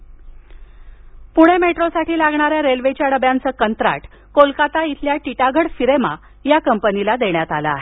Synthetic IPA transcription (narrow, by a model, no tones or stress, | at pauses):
puɽ̃emeʈɾosaʈiːlaɡɳ̃aɾjaɾelʋet͡ɕjaɽəbjant͡səːkənt̪ɾa̰ʈ | kolkat̪ait̪ʰljaʈiʈaɡʱəɽfiɾema | jakəmpənilad̪eɳjat̪alaːɦe